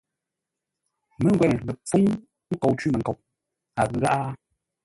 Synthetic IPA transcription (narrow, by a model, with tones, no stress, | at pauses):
mə˦ŋ˦ɡwɛ˨n˨lə˨p͡fu˦ŋ | ŋ̩˦ko˨wt͡ʃiː˦mə˨ŋ˨ko˨w | a˨ɣɨ˨˦ɣa˦ʔa˦